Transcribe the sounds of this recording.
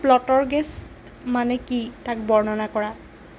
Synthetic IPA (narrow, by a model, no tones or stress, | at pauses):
plɔtɔɹɡɛs | manɛkitak̚bɔɹnɔnakɔɹa